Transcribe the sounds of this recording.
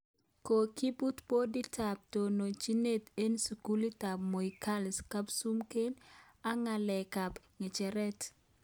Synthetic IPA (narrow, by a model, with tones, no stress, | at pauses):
ko˨ki˦bu˦tbo˦di˦ta˨p̚to˨no˨t͡ʃi˦ne˦te˦nsu˨ku˦li˦ta˨bmo˨ika˦lska˦psu˦mke˦n | a˦ŋa˨lɛ˨ka˨p | ŋe˨t͡ʃɛ˨ɾɛ˦t